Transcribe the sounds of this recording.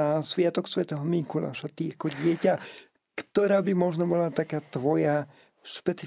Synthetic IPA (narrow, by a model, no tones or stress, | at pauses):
asʋɪat̪ɔksʋɛt̪ɛɦɔmiŋkula̰ʃat̪iakɔɟɪɛca | kt̪ɔɾaːbimɔʒnɔbɔlat̪akaːt̪ʋɔja | ʃpɛt͡si